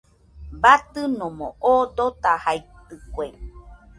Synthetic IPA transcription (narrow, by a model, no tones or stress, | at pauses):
bat̪ɨnõmõ̰ʔod̪ot̪ahajt̪ɨkwe